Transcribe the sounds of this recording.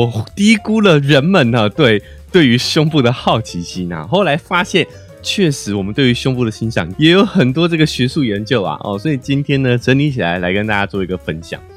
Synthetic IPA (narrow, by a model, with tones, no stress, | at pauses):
ɔ˨˩t̪i˥i˥ku˥lə˨ɻə˧˥nmə˨nɐ˨t̪we˥˩ɪ | t̪we˥˩ɪy˧˥ɕjʊ˥ŋpu˥˩d̪ə˩xɑ˥˩ʊt͡ɕʰi˧˥ɕʰi˥nɐ̰˨˩xo˥˩ʊla˧˥ɪfa˥ɕjɛ˥˨n | t͡ɕʰɥɛ˥˩ʂɻ̩˧˥wɔ˨˩mə˦nt̪we˥˩y˧˥ɕjʊ˥ŋpu˥˩də˩ɕi˥nɕjɑ̰˨˩˦ŋjɛ˧˥jo˧˥ʊxə˨˩nt̪̬wɔ˥ʈ͡ʂɤ˥˩ɡə˩ɕɥɛ˧˥su˥˩jɛ˨˧˥nt͡ɕjo˥˧ʊa̰˨ʔɔ̰˥˨swɔ˧˥i˨˩t͡ɕi˦˥nt̪ʰjɛ˥nnə˨ʈ͡ʂə˧˥nli˧˥t͡ɕʰi˨˩la˧˦ɪla˧˥ɪkə˥nt̪a˥˧t͡ɕja˥t͡swɔ˥˩i˧˥ɡə˨fə˦˥nɕjɑ̰˨˩˦ŋ